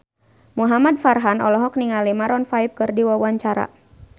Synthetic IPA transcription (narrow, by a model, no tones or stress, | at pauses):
muɦamadfarɦanɔlɔɦɔk̚niŋalimaɾɔnfaip̚kɨrdiwawaɲt͡ʃaɾa̰